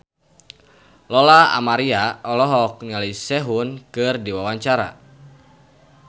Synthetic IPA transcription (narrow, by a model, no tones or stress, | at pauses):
lɔlaa̰maɾiaɔlɔɦɔk̚ɲalisɛɦunkɨrdiwawaɲt͡ʃaɾa̰